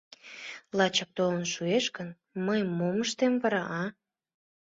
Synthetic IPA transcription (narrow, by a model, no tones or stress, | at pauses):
lɑt͡ɕək̚t̪olənʃueʃkən | məjmoməʃt̪emvɑɾɑʔɑ